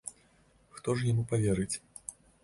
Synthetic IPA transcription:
xt̪ɔʂjamupavʲɛɾɨt͡sʲ

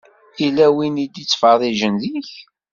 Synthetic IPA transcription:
ilæwinid̪it͡sːfɑðˤiʒənðiç

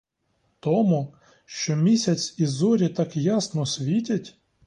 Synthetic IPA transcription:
t̪ɔmu | ʃt͡ʃɔmʲisʲɐt͡sʲizɔɾʲit̪ɑkjasnɔsʲʋʲitʲɐtʲ

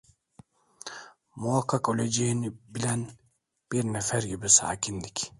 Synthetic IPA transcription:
muakʰːakølʲed͡ʒejinibilʲæn | b̥iɾnɛfæɾɡibisa̰ːcʰind̪ic

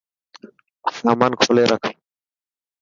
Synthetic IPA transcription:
faːmankʰoleːɾakʰ

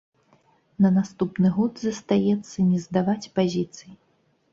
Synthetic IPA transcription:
nɐnast̪upnɨɣɔd̪zɐst̪ajɛt̪sːɐnʲɛzd̪avat͡sʲpazʲit̪sɨji

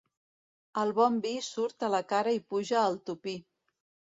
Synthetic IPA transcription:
əlˠβɔmbisuɾt̪ələkaɾəipuʒəːlˠt̪upi

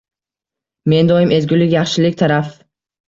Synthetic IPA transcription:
me̞nd̪ɒjɪme̞zɡʲʊlɪkʲjaχʃɪlɪkʲt̪ʰaɾaf

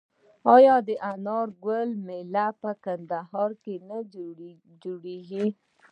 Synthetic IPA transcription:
ɑjɑd̪əʔanɑɾɡəlmelapəkand̪aɦɑɾkena | d͡ʒoɽeɡi

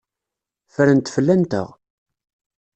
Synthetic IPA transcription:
fɾənt̪fəlːænt̪ə̰ʁ

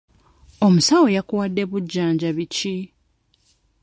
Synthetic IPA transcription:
o̞musawo̞jakuwadːe̞βuɟːaːɲɟaβici

